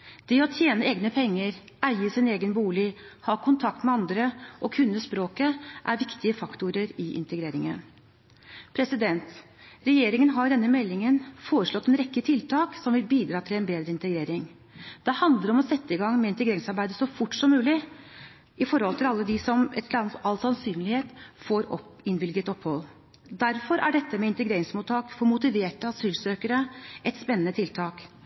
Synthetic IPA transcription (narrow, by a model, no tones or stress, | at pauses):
d̪̥ɛɔt̪ʰjeːnəeːɡnəpʰɛŋːəɾ | æɪəsɪneːɡənbuːlɪhɑːkʰʊnt̪ʰɑkt̪mɛɑnd̪ɾəʔɔkʰʉnːəspɾoːkəʔæɾʋɪkt̪ɪəfɑkt̪ʊɾəɾɪʔɪ̰nt̪əɡɾeːɾɪŋə̰n | pʰɾɛsɪd̪ɛnt̪ | ɾɛjeːɾɪŋənɦɑɾɖ̪ɛnːəmɛlːɪŋənfoːɾəʂɭɔt̪ːɛnɾɛkːət̪ʰɪlt̪ʰɑːksɔmʋɪlbiːd̪ɾɑːt̪ʰɪlɛnbeːd̪ɾəɪnt̪əɡɾeːɾɪŋ | d̪̥ɛhɑnd̪əɾɔmɔsɛt̪ːəɪɡɑŋːmɛɪnt̪əɡɾeːɾɪŋsɑɾbæɪd̪əsɔfʊʈːsɔmːʉːlɪ | ɪfɔɾhɔlt̪ʰɪlɑlːəd̪ɪsɔmɛt̪ɑlsɑnsyːnlɪheːt̪foːɾɔɪnʋɪlɡət̪ɔphɔlː | d̪æɾfɔɾʔæ̰ɖɛt̪ːəmɛɪnt̪əɡɾeːɾɪŋsmuːt̪ʰːɑːkfɔɾmʊt̪ɪʋeːʈəɑsyːlsøːkəɾəʔɛt̪spɛnːənət̪ʰɪlt̪ʰɑːk